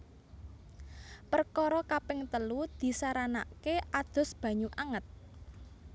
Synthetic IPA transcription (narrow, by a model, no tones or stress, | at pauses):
pərkɔɾɔkapɪŋt̪əlud̪̥i̤saɾana̰keʔad̪̥ɔ̤sb̥ä̤ɲuʔaŋət̪̚